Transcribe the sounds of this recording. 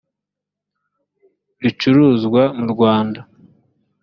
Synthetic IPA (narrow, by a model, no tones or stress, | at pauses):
ɾit͡ʃuɾuːzɡwamuɾɡwaːnda